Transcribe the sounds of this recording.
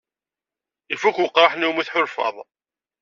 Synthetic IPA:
ifukʊqɾˤɑħniwmiθħʊɾfɑ̰ðˤ

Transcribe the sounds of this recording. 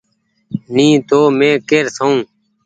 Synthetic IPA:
nĩːt̪oːmẽːkeːɾsaũː

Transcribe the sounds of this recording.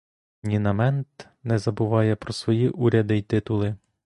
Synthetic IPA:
nʲinɐmɛnt̪ | nɛzɐbʊʋɑjɛpɾɔsʋɔjiʔuɾʲɐd̪ɪjt̪ɪt̪ʊlˠɪ

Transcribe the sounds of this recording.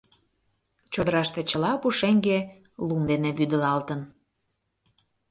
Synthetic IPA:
t͡ɕod̪əɾɑʃt̪et͡ɕəlɑpuʃeŋɡe | lumd̪eneβyd̪ə̆lɑlt̪ən

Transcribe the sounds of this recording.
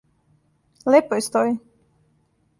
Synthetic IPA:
lʲɛpɔjst̪ɔj

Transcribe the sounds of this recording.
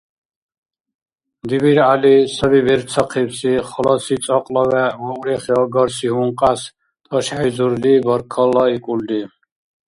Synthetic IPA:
d̪ibiɾalisəβibiɾt͡sʰɔqʰipsiχɔlɔsit͡sʼɔqʼlɔvɛɔɾɛχiɔɡɔɾsiɦuɴqʼas | t̪ʼɔʃaħizuɾlibɔɾkʰɔlɔikʼuld̪i

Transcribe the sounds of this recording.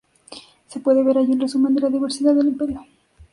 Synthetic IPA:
se̞pwe̞ðe̞βe̞ɾaʝinresumend̪elaðiβe̞ɾsiðaðelimpe̞ɾjo

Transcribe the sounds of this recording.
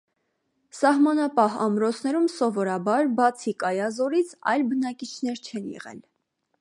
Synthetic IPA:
sɑhmɑnɑpɑɦɑ̰mɾɔt͡sʰnɛɾumsɔvɔɾɑbɑɾbɑt͡sʰikɑjɑzɔɾit͡sʰɑ̰jlbənɑkit͡ʃʰn̪ɛɾt͡ʃʰɛnjɛ̰ʁɛ̰l

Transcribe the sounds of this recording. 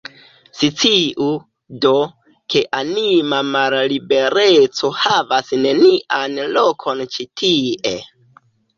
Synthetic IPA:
sit͡siʔu | do̞ | ke̞ʔanimamallibe̞ɾe̞t͡so̞havasne̞niʔanlo̞kʰo̞nt͡ʃitʰiʔe̞̰

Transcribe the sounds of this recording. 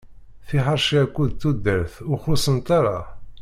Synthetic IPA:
θiħəɾˤʃiækʷːuðt̪ːud̪əɾθʊχʊsənt̪aɾˤɑ̰

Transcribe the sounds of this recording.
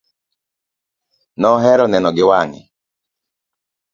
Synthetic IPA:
nɔɦɛɾɔnɛnɔɡɪwaŋɪ̰

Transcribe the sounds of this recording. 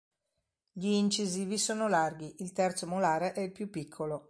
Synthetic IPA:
ʎiːnt͡ʃiziːvisoːnolarɡiʔilt̪ɛrt̪somolaːɾeʔɛilpjupːikʰːolo

